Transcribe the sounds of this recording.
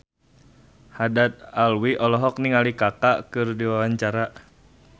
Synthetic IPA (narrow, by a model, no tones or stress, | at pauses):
hadat̪̚alwiʔɔlɔɦɔk̚niŋalikakakɨrdiwawaɲt͡ʃaɾa